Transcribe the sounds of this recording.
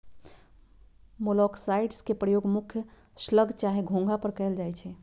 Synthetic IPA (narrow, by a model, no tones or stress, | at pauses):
molɔksaɪɖskepɾəjoːɡmukʰjə | sləɡʱt͡ʃaɦeɡʱõŋɡʱapəɾkɛɦld͡ʒajt͡ʃʰɛ